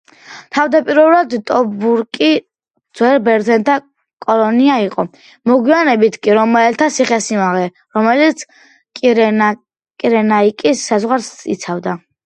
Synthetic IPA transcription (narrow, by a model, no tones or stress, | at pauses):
t̪ʰavd̪apʼiɾɔlad̪t̪ʼɔbuɾkʼi | d̪zwɛɾbɛɾd̪zɛnt̪ʰa | kʼɔlɔniaiqʼɔ | mɔɡwianɛbit̪ʰkʼiɾɔmɛlt̪ʰasiχɛsimaʁɛ | ɾɔmɛlit̪sʰ | kʼ | kʼiɾɛnaikʼisːazʁwaɾsḭt̪sʰavd̪a